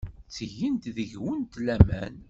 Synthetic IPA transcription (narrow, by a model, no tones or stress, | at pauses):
t͡sːəʝənt̪ðəʝwənt̪læmæ̰n